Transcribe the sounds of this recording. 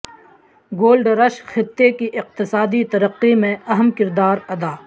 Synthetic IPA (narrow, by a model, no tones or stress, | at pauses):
ɡoːlɖɾɐʃxɪt̪ːekiʔɪq̚t̪ɪsaːd̪it̪ɐɾəqːimẽɐɦəmkɪɾd̪aːɾɐd̪aː